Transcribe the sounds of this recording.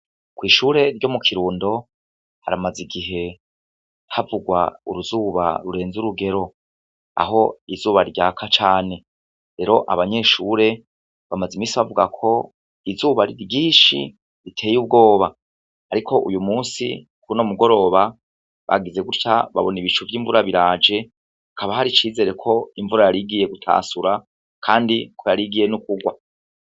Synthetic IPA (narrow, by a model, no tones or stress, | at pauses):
kwiːʃuːɾe̞ɾɟo̞mukʰiɾuːndo̞ | ha̰ɾamaziɡiɦe̞ | havuɡwa̰uɾuzuːβa̰ɾuɾe̞ːnzuɾuɡe̞ɾo̞ | a̰ɦo̞izuːβaɾɟaːkʰat͡ʃaːne̞ | ɾe̞ɾo̞ʔaβaɲe̞ʃuːɾe̞ | βamazimiːsiβavuɡakʰo̞ | izuːβaɾiɾɟiːʃḭ | ɾitʰe̞ːjub̚ɡo̞ːβa | aɾikʰo̞ʔṵjumuːsḭ | kunomuɡo̞ɾo̞βa | βa̰ɡize̞ɡuɾca̰βa̰βo̞niβit͡ʃuvjiːɱvuɾaβiɾad͡ʒe̞ | akaβaɦaɾit͡ʃiːze̞ːɾe̞kʰo̞iɱvuɾajaɾiɡije̞ɡutʰa̰ːsuɾa | kʰaːndikʰo̞jaɾiɡije̞nukuɡwa